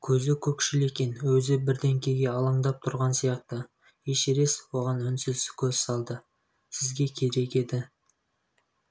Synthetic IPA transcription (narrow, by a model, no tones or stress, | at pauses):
kʲʰɵzɪkʲʰɵkʃɪle̞kʲe̞nwɵzɪbɪɾd̪e̞ŋkʲʰe̞jɡʲe̞ɑlˠɑɴd̪ɑp̚t̪ʰʊɾʁɑnsijɑq̚t̪ə | jeʃeɾe̞swo̞ʁɑnʏnsɪzsɪkʲʰɵzsɑlˠd̪ə | sɪzɡʲe̞kʲʰe̞ɾe̞kʲe̞d̪ɪ